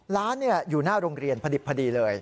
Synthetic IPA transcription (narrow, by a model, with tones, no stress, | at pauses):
laː˦˥nːi˥˩ɐjuː˨˩naː˥˩ɾo˧ŋɾi˧ənpʰa˧di˨˩pʰːa˧diː˧lɤː˧j